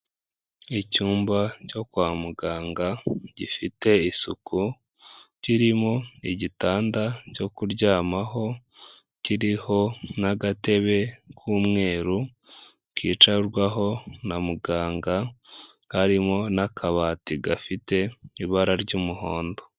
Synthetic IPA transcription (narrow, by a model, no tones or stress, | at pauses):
icuːmbaco̞kwaːmuɡaːŋɡaɟifite̞isukʰu | ciɾimoiɟitaːndaco̞kuɾɟaːmaɦo̞ | ciɾiho̞naɡate̞βe̞kʰuːmŋe̞ːɾu | kḭːt͡ʃaɾɡwaɦo̞namuɡaːŋɡa | haɾimonakʰaβaːtiɡafite̞iβaɾaɾɟuːmuɦo̞ːndo̞